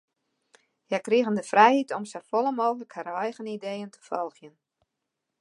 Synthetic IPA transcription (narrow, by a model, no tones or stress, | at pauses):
jajkriəɣəndəfrɛjhitɔmsəfɔlˠəmoːxələkhaɾɔjɣənidejəntʰə̥fɔlˠxjən